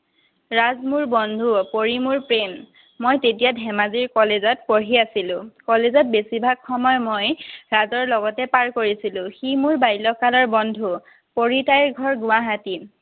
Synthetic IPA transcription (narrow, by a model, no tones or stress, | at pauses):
ɹazmuɹbɔndʱupoɹimuɹpɹemː | ojtetijadʱɛmaziɹkɔlezɔtpoɹiasilʊ̃kɔlezɔt̚besibʱaɡxɔmɔjmojɹazɔɹlɔɡɔtɛpaɹkoɹisilʊ̃ximuɹbajlɔkalɔɹbɔndʱu | poɹitajɹɡʱɔɹɡʊaɦati